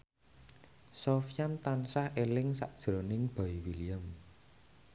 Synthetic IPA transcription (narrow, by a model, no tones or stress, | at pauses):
sɔfjant̪ansahʔelɪŋsa̰ʔ̚d̥ʒ̥ɾonɪŋb̥a̤iwiliəm